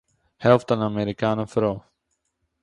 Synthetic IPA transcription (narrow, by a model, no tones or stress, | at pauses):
hɛlˠftanameɾikaːnəfɾow